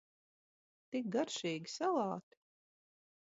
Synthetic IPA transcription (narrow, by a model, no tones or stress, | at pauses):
t̪ik̚ɡaɾʃiːɡʲisalˠɑːt̪i̥